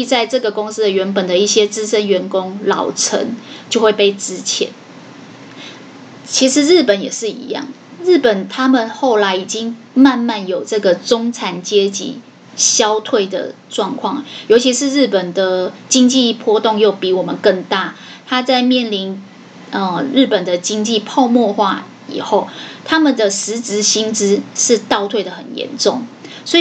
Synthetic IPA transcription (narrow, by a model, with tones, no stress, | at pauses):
i˥˧t͡sa˥˧ɪʈ͡ʂɤ˥˩ɡə˩kʊ˥ŋs̩˥d̪ə˨ɥɛ˧˥npə˨˩nd̪ə˩i˥˩ɕjɛ˦˥t͡sɻ̩˥ʂə˦˥nɥɛ˧˥nkʊ˦˥ŋlɑ̰˨˩ʊʈ͡ʂʰə̰˧˦ŋt͡ɕjo˥˧ʊxwe˥˧ɪpe˥˩ɪt͡sɻ̩˥˦t͡ɕʰjɛ̰˧˦n | t͡ɕʰi˧˥ʂɻ̩˧˦ɻ̩˥˩pə˨˦njɛ˨˩ʂɻ̩˥˩ḭ˧˥jɑ̰˥˩ŋ | ɻ̩˥˩pə˨˩nt̪ʰa˥mə˨nxo˥˩ʊla˧˥ɪi˨˩t͡ɕi˦ŋ | ma˥˧nma˥˩njo˨˩ʊʈ͡ʂɤ˥˩ɡə˩t͡sʊ˥ŋt͡sʰa˨˩nt͡ɕjɛ˥t͡ɕḭ˨˦ | ɕjɑ˥ʊt̪ʰwe˥˩ɪd̪ə̰˩ʈ͡ʂwɑ˥˧ŋkʰwɑ˥˩ŋ˩jo˧˥ʊt͡ɕʰi˧˥ʂɻ̩˥˧ɻ̩˥˩pə˨˩nd̪ə˩t͡ɕi˦ŋt͡ɕi˥˧pʰwɔ˥t̪o˥˧ŋjo˥˩ʊpi˧˥wɔ˨˩mə˨nkə˥˧ŋt̪a˥˩ | t̪ʰa˥t͡sa˥˧ɪmjɛ˥˨˩nli˧˥n | ə˧˩ɻ̩˥˩pə˨˩nd̪ə˩t͡ɕi˦˥ŋt͡ɕi˥˧˨pʰɑ˥˧ʊmwɔ˥˧xwa̰˥˩ | ḭ˨˩xo˥˩ʊt̪ʰa˦mə˨nd̪ə˨˩ʂɻ̩˧˦˥t͡s̩˧˥ɕi˥nt͡sɻ̩˥ʂɻ̩˥˧t̪ɑ˥˧ʊt̪ʰwe˥˩ɪdə˩xə̰˨˩njɛ̰˧˦nʈ͡ʂʊ˥˩ŋswɔ˧˥˨